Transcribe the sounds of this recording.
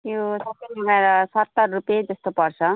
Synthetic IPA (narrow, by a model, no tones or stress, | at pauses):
josʌbʌɦumeɾʌsʌt̪ːʌrrupjed͡zʌst̪opʌrt͡sʰʌ